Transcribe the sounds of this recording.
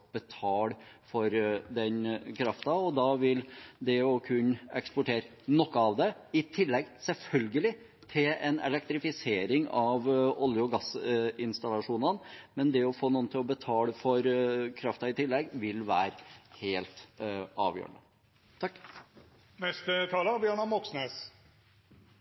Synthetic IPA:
b̥ət̪ʰɑːlfɔɾd̪ɛnkʰɾɑft̪ɑɔd̪ɑʋɪld̪ɛɔkʰʉɲːɛkspɔʈʰeːɾə | nɔkːəɑʋd̪ɛɪt̪ʰɪlːɛɡsɛlfœlɡəlɪ | t̪ʰɪlɛnɛ̰lɛk̚t̪ɾɪfɪseːɾɪŋɑʋɔljʊɡɑsɪnst̪ɑlɑʂuːnɑnmɛnd̪ɛɔfoːnuːnt̪ʰɪlɔbət̪ʰɑːləfɔɾkʰɾɑft̪ɑɪt̪ʰɪlːɛɡʋɪlʋæːɾheːlt̪ɑ̰ːʋjø̰ːɾə̰nə̰ | t̪ʰɑkː | mɛst̪ət̪ʰɑːlɑbjœɳɑmɔksneːs

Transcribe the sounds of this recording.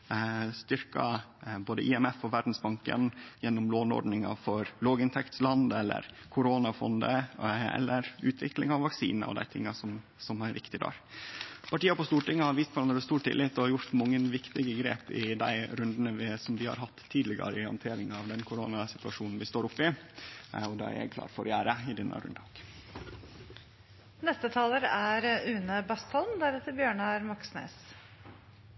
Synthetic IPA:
st̪ʏɾkɑ̰boːd̪əʔɪɛmɛfɔʋæɾɖn̩sbɑŋkə̰njɛnːɔmloːnɔ̰ɾɖnɪŋɑ̰fɔɾloːɡɪnt̪ʰɛkt̪slɑnd̪ɛlːə̰ɾ | kʰʊɾoːnɑfɔ̰nd̪əɛ̰lːʔəɾʉːt̪ʰʋɪklɪ̰ŋɑʋʋɑksḭːnɔ̰d̪æ̰ɪt̪ʰɪŋːɑsɔmsɔmæɾʋɪkt̪ɪd̪ɑ̰ːɾpʰɑʈiːɑpɔst̪uːʈɪŋːəhɑɾʋiːst̪pʰɔɾɑnəɾəst̪uːʈʈ̪ʰt̪ʰɪ̰lɪt̪ːɔɑɾjʊɾt̪mɑŋːənʋɪkt̪ɪɡəɡɾḛːpɪd̪æɪɾʉnd̪ənəʋɪsɔmʋɪhɑ̰ɾɦɑt̪ʰːiːd̪lɪɡə̰ɾəəhɑ̰nt̪ʰeːɾɪŋɑʋd̪ɛnkʰʊɾoːnɑsɪt̪ʉɑʂuːnn̩ʋɪst̪oːɾʊpːɪ | ɔd̪ɑ̰ːæ̰ɾjɛ̰ɡ̚kʰlɑ̰ːɾfɔɾjæːɾəɪd̪ɛnːʔə̰ɾʉ̰nd̪ɑɡ | nɛst̪ət̪ʰɑːləɾæɾʉːnəbɑst̪ʰɔlmd̪æɾɛt̪ːəɾbjøːɳəæɾmɑksnḛːs

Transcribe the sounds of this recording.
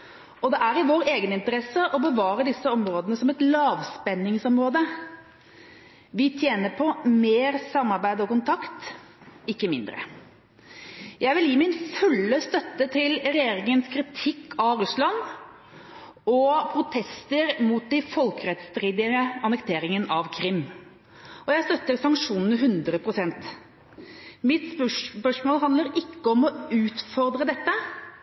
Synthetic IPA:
ɔd̪ɛʔæɾɪʋoːɾeːɡənɪnt̪əɾɛsəʔɔbəʋɑːɾəd̪ɪsːəɔmɾoːd̪ənəsɔmɛt̪lɑːʋspɛnːɪŋsɔmɾoːd̪ə | ʋɪt̪ʰjeːnəpʰɔmeːɾsɑmːɑɾbæɪd̪ɔkʊnt̪ʰɑkt̪ | ɪkːəmɪ̰nd̪ɾə̰ | jæɪʋɪljiːmɪnfʉlːəst̪œt̪ːət̪ʰɪlɾɛjeːɾɪŋənskʰɾɪt̪ʰɪkːɑɾʉslɑn | ɔpʰɾʊt̪ʰɛst̪əɾmuːt̪̚d̪ɪfɔlkɾɛt̪st̪ɾiːd̪ɪəəɑnəkt̪ʰeːɾɪŋənʔɑʋkʰɾɪmː | ɔjæɪst̪œt̪ːəɾsɑŋkʂuːnnəɦʉnd̪ɾəpʰɾʊsɛnt̪ | mɪt̪spœʂmoːlɦɑnd̪əɾɪkːəɔmɔʉːt̪fɔɾd̪ɾəd̪ɛt̪ːə

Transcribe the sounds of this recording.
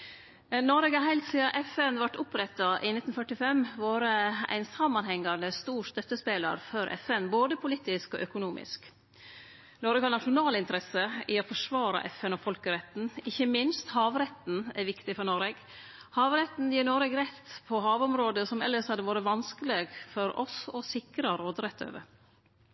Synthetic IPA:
nɔɾɛɡhɑɾɦæɪlt̪siːɑʔɛfɛnʋæʈːʊpɾɛt̪ːɑʔɪnɪt̪n̩fœʈɪfɛmʋɑːɾəæ̰ɪnsɑmːɑnhɛŋːɑnəst̪uːɾst̪œt̪ːəspeːlə̰ɾfɔɾʔɛ̰fɛnboːd̪əpʰʊliːt̪ɪskɔ̰ʔœkʊnuːmɪ̰sk | nɔɾɛɡhɑɳɑʂʊnɑːlɪnt̪əɾɛsəɪɔfɔʂʋɑːɾɑ̰ʔɛfɛnɔfɔlkəɾɛt̪n̩ɪçːəmɪnst̪hɑːʋɾɛt̪n̩ɛɾʋɪkt̪ɪfɔɾɳɔɾeɡ | hɑːʋɾɛt̪n̩jiːnɔɾeɡɾɛt̪pʰɔɦɑːʋɔmɾoːd̪əsɔmɛ̰lːəʂhɑd̪ːəʋɑːɾəʋɑnskəleːɡfɔɾɔ̰sɔsɪkɾɑɾoːd̪ɾɛt̪ʰːø̰ːʋə̰

